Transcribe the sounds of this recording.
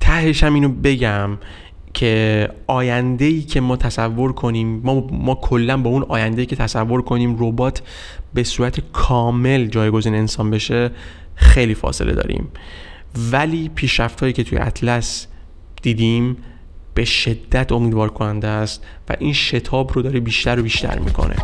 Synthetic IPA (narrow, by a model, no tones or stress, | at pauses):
t̪ʰæhe̞ʃæmiːnobe̞ɟæm | cʰe̞ɒːjænd̪e̞iːcʰe̞mɒːt̪ʰæsævːo̞ɾkʰo̞niːmːɒːɒːkʰo̞lːænbɒːunɒːjænd̪eiːcʰe̞t̪ʰæsævːo̞ɾkʰo̞niːmrobɒːt̪ʰ | be̞suːɾæt̪ʰekʰɒːme̞ld͡ʒɒːjɡo̞ziːneensɒːnbe̞ʃe | xe̞jliːfɒ̰ːse̞̰lḛɒ̰ːɾḭːm | væliːpʰiːʃɾæft̪hɒːjiːcʰe̞t̪ʰujḛʔæ̰t̪ʰlæs | d̪̥iːd̪im | b̥e̞ʃe̞d̪ːæt̪ʰo̞miːd̪vɒːɾkʰonænd̪est̪ | væ̰ʔiːnʃe̞t̪ʰɒːbɾo̞d̪ɒːɾibiːʃt̪æɾobiːʃt̪æ̰ɾmḭkʰo̞̰nʔḛ